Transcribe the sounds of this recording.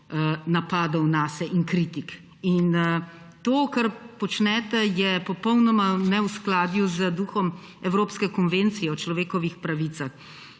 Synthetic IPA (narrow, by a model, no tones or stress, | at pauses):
napaːd̪ɐwnaːsɛʔiŋkɾit̪ik | in | t̪oːkaɾpɔt͡ʃnɛːt̪ɛjɛpɔpɔwnɔmanɛwsklaːd̪juzəd̪uːxɔm | ɛwɾoːpskɛkɔnʋeːnt̪sijɛɔt͡ʃlɔʋeːkɔʋixpɾaʋit̪sax